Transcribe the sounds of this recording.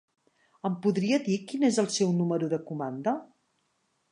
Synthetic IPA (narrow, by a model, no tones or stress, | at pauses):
əmpuðɾiəðikinezəlˠsɛwnuməɾuðəkumand̪ə